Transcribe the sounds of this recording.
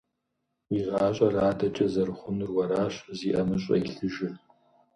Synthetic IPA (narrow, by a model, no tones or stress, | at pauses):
iʁɑːɕʷʼɐraːdɐt͡ʃʼɐzɐrχʷʊnɨrwɐɾaːɕziːʔɐmɨɕʼɐ̰iɬɨʒɪ